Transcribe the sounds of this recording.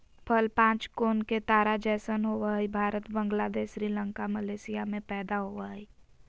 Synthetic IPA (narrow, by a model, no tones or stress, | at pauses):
pʰəlpãːt͡ʃkoːnket̪aːɾad͡ʒɛːsənɦoʋəɦibʱaːɾət̪bə̃ŋɡlad̪eːʃɾiːlə̃ŋkaməleːsijamẽpɛːd̪aɦoʋəɦi